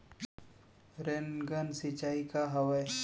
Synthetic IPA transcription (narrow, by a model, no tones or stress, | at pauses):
ɾenɡənsit͡ʃaːikaɦəʋəj